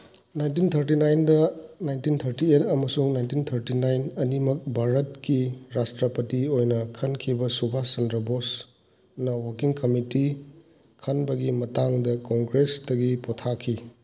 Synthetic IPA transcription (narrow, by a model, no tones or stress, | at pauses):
najntint̪ʰɐɾt̬inajndɐnajntint̪ʰɐɾtietɐmɐsuŋnajntint̪ʰɐɾtinajnɐnimɐk̚bʱaɾɐt̚kiɾastɾɐpɐtiojnɐkʰɐnkʰibɐsubʱasɐndɾɐbos | nɐwɐkiŋkɐmiti | kʰɐnbɐɡimɐtaŋdɐkoŋɡɾesdɐɡipotʰakʰːi